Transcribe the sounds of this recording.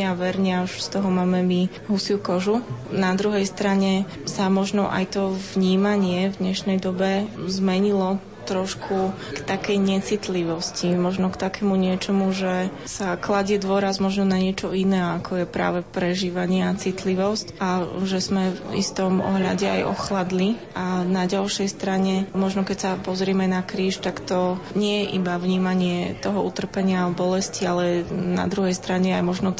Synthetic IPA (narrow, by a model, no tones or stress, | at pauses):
aʋɛɾɲauʃst̪ɔɦɔmaːmɛmi | ɦusiukɔʒunad̪ɾuɦɛjst̪ɾaɲɛ | samɔʒnɔʔa̰jt̪ɔvɲiːmaɲɪɛvd̪ɲɛʃnɛjd̪ɔbɛzmɛɲilɔ | t̪ɾɔʃkʰu | kt̪akɛjɲɛt͡sit̪liʋɔscimɔʒnɔkt̪akɛmuɲɪɛt͡ʃɔmuʒɛ | saklaɟɛd̪ʋɔɾazmɔʒnɔnaɲɪɛt͡ʃɔinɛːakʰɔjɛpɾa̰ːʋɛpɾɛʒiːʋaɲɪɛat͡sit̪liʋɔscaʒɛzmɛvḭst̪ɔmɔ̰ɦʎa̰ɟɛa̰jʔɔ̰xlad̪liʔanaɟalʃɛjst̪ɾaɲɛmɔʒnɔkɛcsapɔzɾɪɛmɛnakɾiːʃt̪akt̪ɔɲɪɛjɛʔibaʋɲiːmaɲɪɛt̪ɔɦɔut̪r̩pɛɲɪabɔlɛscialɛna̰d̪ɾuɦɛjst̪ɾaɲɛajmɔʒnɔ